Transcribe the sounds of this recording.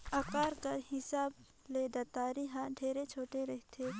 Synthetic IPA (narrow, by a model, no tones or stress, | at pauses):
ɐkaːɾkɐɾhɪsaːb | leːd̪at̪aːɾiɦãɖʱeːɾet͡ʃʰoːʈeɾɛɦt̪ʰe